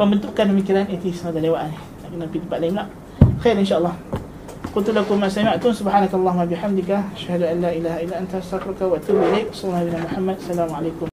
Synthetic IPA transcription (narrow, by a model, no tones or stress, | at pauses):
pəmbənt̪uʔkanbəmikiɾanit̪isadalewaʔani | akinapit̪əmpaʔ̪laɪmlaʔ | xejɾinʃaʔɑlˠˤːɑh | qʊlt̪ulakʊmasamaʔt̪ʊnsubħaːnakalːˤɑɦumːabiħamd̪ikaʔaʃhad̪uʔanlaːʔilaːɦaʔilːaʔant̪aast̪afɾukawaʔat̪uːbilajkwslulːɑhbnamuħamːad̪salaːmʕalajkʊm